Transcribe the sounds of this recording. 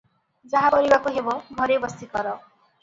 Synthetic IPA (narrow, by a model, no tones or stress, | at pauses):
d͡zaɦãbʌɾibakoɦebʌŋɡʱʌɾebʌst̪ikʌɾʌ